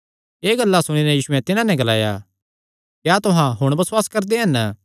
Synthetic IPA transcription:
eːɡɐlːasʊɽ̃inɛjiːsʊɛ̃t̪ɪnãnɛ̃ɡɐla̰ːja̰ | kjaːt̪ʊɦãɦʊɽ̃bɐswaːskɐɾd̪eɦɐn

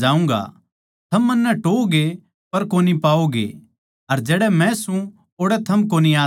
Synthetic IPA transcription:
d͡ʒaːũŋɡa̰ | t̪ʰɐmːɐnːɛʈoːɡe | pɐɾkoːnipaːoɡḛ | ɐɾd͡ʒɛːɽɛmɛ̃sũ | oːɽɛt̪ʰɐmkoːniaː

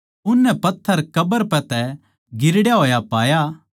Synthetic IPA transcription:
ʊnːɛpɐt̪ʰːəɾkɐbəɾpɛ̃t̪ɛ | ɡɪɾɽjaɦoːjapaːja

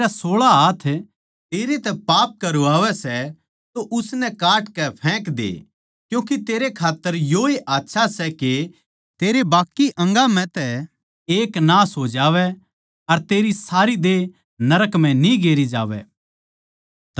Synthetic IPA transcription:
ɾasoːɭaɦaːt̪ʰ | t̪eːɾet̪ɛpaːp̚kɐɾuaːʋɛsɛ | t̪oʔʊsnɛkaːʈkɛpʰɛ̃ːkd̪ḛː | kjũːkit̪eːɾekʰaːt̪ːəɾjoeʔaːtːʃʰasɛke | t̪eːɾebaːkːiʔɐ̃ŋɡamɛ̃t̪ɛ | eːknaːsɦod͡ʒaːʋɛ | ɐɾt̪eːɾisaːɾid̪eː | nɐɾəkm̤ɛ̃nĩɡeːɾid͡ʒa̰ːʋɛ̰

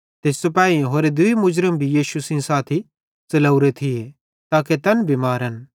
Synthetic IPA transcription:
t̪eːssopaːĩɦoːɾed̪ʊimʊd͡ʒɾəmbʱijiːsusĩsaːt̪ʰi | t͡sɐlɐʊɾet̪ʰie | t̪aːket̪ɐnbʱimaːɾɐn

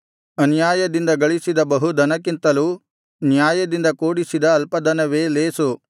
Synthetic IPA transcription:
ɐnjaːjɐd̪ind̪ɐɡɐɭisid̪ɐbɐɦud̪ɐnɐk̬int̪ɐlu | njaːjɐd̪ind̪ɐkoːɽisid̪ɐːlpɐd̪ɐnɐʋeːleːsu

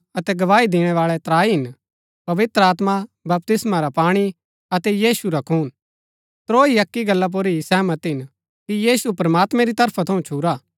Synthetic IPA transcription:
ɐt̪ɛɡɐʋaːid̪ɪɽ̃ɛʋaːɭɛt̪ɾaːiɦɪn | pɐʋɪt̪ɾəaːt̪mabɐp̚t̪ɪsmaɾapaːɽ̃i | ɐt̪ɛjiːsuɾakʰuːn | t̪ɾoːiɐkːiɡɐlːap̬oɾisɛːmɐt̪ɦɪn | kijiːsupɾɐmaːt̪mɛ̃ɾit̪ɐɾpʰat̪ʰɐũt͡ʃʰuːɾaː

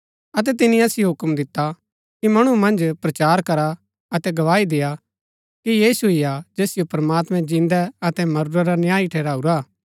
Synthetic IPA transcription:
ɐt̪̬ɛt̪ɪnĩɐsijoɦʊkmd̪ɪt̪ːa | kimɐɽ̃umɐ̃nd͡ʒpɾɐt͡ʃaːɾkɐɾa | ɐt̪ɛɡɐʋaːid̪eja | kijiːsuɦɪjad͡ʒeːsɪjopɐɾmaːt̪mɛ̃d͡ʒĩːnd̪ɛɐt̪ɛmɐɾuɾaɾanjaːiʈʰɛːɾaːuɾaː

